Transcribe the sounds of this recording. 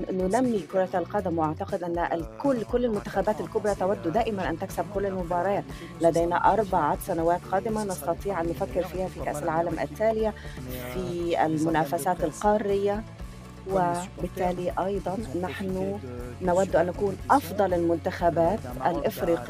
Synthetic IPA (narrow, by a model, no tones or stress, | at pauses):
nʊnamːikʊɾˤɑalqɑːd̪ɪmwʔaʕt̪ɑqɪd̪ʔanːkʊlːkʊlːɪlmʊnt̪axabæːt̪ɪlkʊbɾˤɑt̪awad̪ːud̪aːʔɪmanʔænt̪aksab̚kʊlːɪlmʊbɑːɾˤɑːt̪ | læd̪æjnaʔɑɾˤbaʕasanawaːt̪qɑːd̪ɪmanɑst̪ɑt̪ˤiːʕʔanːʊfækːɪɾfiːhafikæʔsɪlʕaːlamʔɪ̰t̪ːaːlɪjafiɪ̰lmʊnaːfæsaːt̪ɪlqɑːrɪjːa | wɪbɪt̪ːæːliʔɑjd̪ˤɑnːaħnʊnawad̪ːʊʔanːækuːnʔɑfd̪ˤɑlɪlmʊnt̪axabaːt̪ʔælʔɪfɾiːqː